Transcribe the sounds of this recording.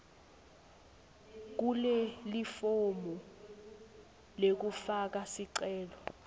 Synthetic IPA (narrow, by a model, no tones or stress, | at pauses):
k̬ulɛlifomɔ | lek̬ufak̬asiǀɛːlɔ